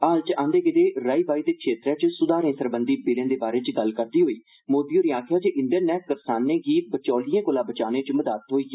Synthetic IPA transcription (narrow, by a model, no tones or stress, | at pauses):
aːlt͡ʃãːnd̪eːkɪt̪eːɾaːiːbaːiːt̪eːkʃeːt̪ɾɛ̃ːt͡ʃsʊd̪aːɾẽːsəɾbənd̪iːbɪːlẽːd̪eːbaːɾeːt͡ʃɡəlkəɾd̪iːɦoːiː | moːd̪iːoːɾiːaːkʰjaːt͡ʃeʔɪ̃ɳɖəɾnɛːkkəpsaːnːẽːɡiːbət͡ʃɔːlɪjãːkoːlãːbət͡ʃaːnẽːt͡ʃməd̪aːt̪ɦoːiː